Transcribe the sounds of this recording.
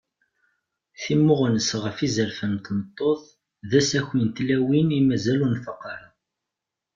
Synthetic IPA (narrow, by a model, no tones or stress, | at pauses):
θimːʊʁnəsʁəfizəɾfənt̪nət̪ˤːoθˤ | ðæsæçint̪læwinimæzælunfɑqːɑɾˤɑ